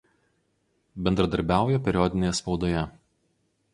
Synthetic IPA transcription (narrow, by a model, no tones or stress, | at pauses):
bʲɛnd̪ɾɐd̪ɐɾʲbʲæˑʊjɛpʲɛɾʲɪɔd̪ʲɪnʲeːjɛspɒʊd̪oːjɛ